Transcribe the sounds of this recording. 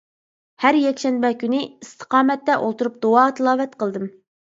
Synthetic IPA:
hæɾjɛkʲʃɛnbɛkʲynɪist̪ʰə̥qɑːmɛt̪ːɛʔolˠt̪uɾup̚d̪oɑt̪ʰɨlˠɑːvɛt̪qʰəlˠd̪ɨm

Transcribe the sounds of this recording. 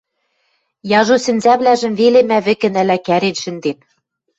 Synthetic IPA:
jɑʒosɘ̆nzæβlæʒɘ̆mvelemæβɘ̆kɘ̆nælækæɾenʃɘ̆nd̪en

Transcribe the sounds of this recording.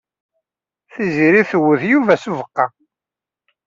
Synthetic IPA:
θiziɾiθəwːəθjuvæsuvəqːɑ

